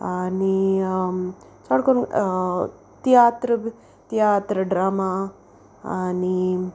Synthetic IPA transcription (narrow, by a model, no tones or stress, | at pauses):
ani | t͡ʃaɽkon | t̪ijat̪ɾə | t̪jat̪ɾəɖɾaːma | ani